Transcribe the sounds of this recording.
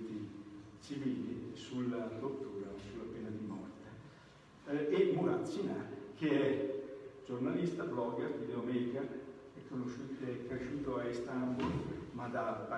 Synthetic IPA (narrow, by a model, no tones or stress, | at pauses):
t̪i | t͡ʃiviːlisularot̪ːuːɾasulːapeːnad̪imɔ̰rt̪e | emuɾat̪sinakʰeɛ | d͡ʒornalist̪ablɔɡɛrt̪id̪eamɛɾika | ɛkʰːonoʃut̪eɛkːɾeʃuːt̪oaist̪ambulmad̪aːvpa